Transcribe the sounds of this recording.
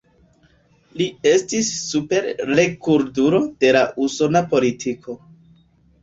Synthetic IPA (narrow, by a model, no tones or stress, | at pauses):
lie̞stisːupe̞ɾɾe̞kuɾduɾo̞d̥e̞laʔuso̞napo̞litʰikʰo̞